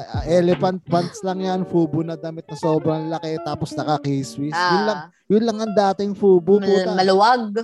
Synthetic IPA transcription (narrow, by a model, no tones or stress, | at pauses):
ɐʔɛːlɛfɐnt̪̚fant̪slɐŋjanfuːbʊnɐd̪ɐmɪt̪̚nɐsoːbɾɐŋlɐkɛt̪aːposnɐkɐkejswɪsjʊnlɐŋ | jʊnlɐŋɐŋd̪aːt̪ɪŋfuːbʊpuːt̪mɐlʊwaɡ̚